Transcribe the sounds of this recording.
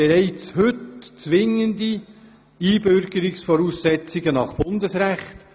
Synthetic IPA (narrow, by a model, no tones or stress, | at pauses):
eɾɛɪt͡shɵtt͡sʋɪŋəndi | iːbʏɾɡəɾɪksfɔɾuːsːɛt͡siɡənɑχb̥ʊndəsɾæχt